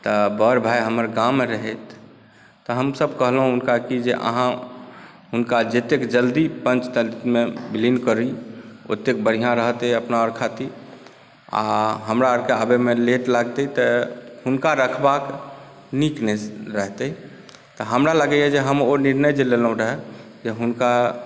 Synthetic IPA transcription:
t̪əbəɾbʱajɦəməɾɡameɾəɦɛt̪ː | ɔɦəmsəbkəɦlɦũɦunkakid͡ʒeʔə̰ɦã | ɦunkad͡ʒet̪ekd͡ʒəld̪ipə̃nt͡ʃt̪əlit̪mebilinkəɾio̰t̪ek̚bəɽ̤ijãɾəɦt̪ɛəpnaəɾkʰat̪i | a̰ɦəmɾaəɾkeabemeleʈlaɡt̪ɛt̪ɔhunkaɾəkʰbak | nikneɾəɦt̪ɛi | t̪ɔɦəmɾaləɡɛjɛd͡ʒeɦəmoniɾnəjd͡ʒelelɦũɾəɦɛ | d͡ʒeɦunka

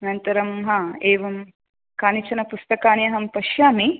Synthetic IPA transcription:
ɐnɐnt̪ɐɾɐmɦɐeːʋɐm | kaːnit͡ʃɐnɐpust̪ɐkaːnjɐɦɐmpɐʃjaːmi

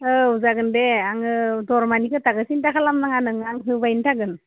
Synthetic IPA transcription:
əuzaɡɯndeaŋd̪ɔɾmanikɯt̪aɡəsintakʰalamnaŋanɯŋaŋɦɯbajnʈʰaɡɯn

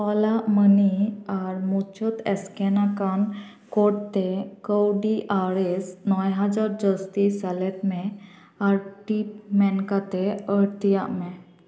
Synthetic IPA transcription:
ɔlaməniaɾmut͡ɕət̪ɛskɛnakan | kɔɽt̪ekəwɖiʔaɾesnɔjɦəd͡zaɾd͡ʑəst̪isalet̪mẽ | aɾʈipmɛ̃nkat̪eəɽt̪ijaʔmẽ

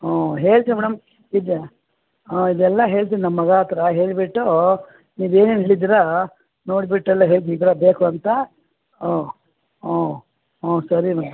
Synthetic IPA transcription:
oːɦe̞ːɭt̪imɛɽɐm | id̪ | id̪ɛlːɐɦe̞ːɭt̪̬ininɐmːɐɡaːt̪ɾɐɦe̞ːɭbiʈːu | niːʋe̞ːneːnɦeːɭid̪iɾa | no̞ːɽibiʈːɛlːɐɦe̞ːɭt̪iiːd̪ɾɐbeːkuɐnt̪ɐ | oː | oː | oːsɐɾimɛɽɐm

